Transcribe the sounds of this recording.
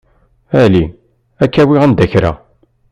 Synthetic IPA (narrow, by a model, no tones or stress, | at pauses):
æli | ækːæwiʁænd̪æçɾæ̰